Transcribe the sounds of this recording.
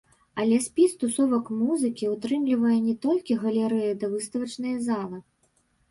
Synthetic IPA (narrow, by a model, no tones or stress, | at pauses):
ɐlʲɛsʲpʲist̪usɔvɐkmuzɨkʲiut̪ɾɨmlʲivɐjɛnʲɛt̪ɔlʲkʲiɣɐlʲɛɾɛjɐd̪ɐvɨst̪ɐvɐt͡ʂnɨjɐzalˠɨ